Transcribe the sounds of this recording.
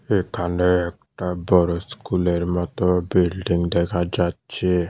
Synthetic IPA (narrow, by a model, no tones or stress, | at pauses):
ekanektabɔɾɔskuleɾimɔtɔbildiŋ̩deɡad͡ʒat͡ʃe